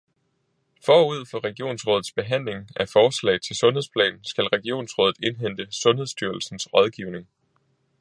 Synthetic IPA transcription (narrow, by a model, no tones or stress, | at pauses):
fɒːuð̞̰ˠfɒ̽ʁɛɡ̥io̝̰ːnsʁɔ̽ːðð̩ˠsb̥e̝ɦæn̰le̝ŋæfɒːslɛ̰ɪt͡sʰe̝lsɔ̽nheðˠspʰlɛ̰ːnn̩sɡ̥ælʁɛɡ̥io̝̰ːnsʁɔ̽ːðð̩ˠe̝nɦen̰d̥əsɔ̽nhe̝ðˠsd̥yɐl̩sn̩sʁɒð̞ˠɡ̥iʊne̝ŋ